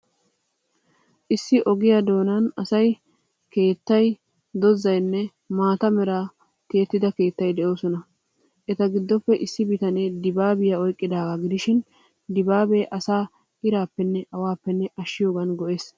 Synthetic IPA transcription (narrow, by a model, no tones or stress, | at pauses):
ʔɪsːɪʔɔɡɪjad̪o̞ːnɐnɐsɐj | ke̞ːt̪ːɐj | d̪ɔzːɐjnːɛ | maːt̪ɐmɛɾaː | k̪e̞ːt̪ːɪd̪ɐke̞ːt̪ːɐjd̪ɛʔo̞ːsɔnɐ | ʔɛt̪ɐɡɪd̪ːɔpːɛʔɪsːɪbɪt̪ɐned̪ɪbaːbɪjaɔjkʼːɪd̪aːɡaɡɪd̪ɪʃɪn | d̪ɪbaːbeːʔɐsaː | ʔɪɾaːpːɛnːɛʔɐwaːpːɛnːɛʔɐʃːɪjo̞ːɡɐnɡɔʔe̞ːs